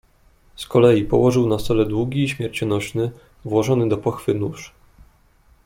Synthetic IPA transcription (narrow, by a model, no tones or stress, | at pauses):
skɔlɛjipɔ̰wɔʐɘwnast̪ɔlɛd̪wuɡʲiːɕmʲjɛɾt͡ɕɔnɔɕnɘ | vwɔʐɔnɘd̪ɔpɔxfɘnuʂ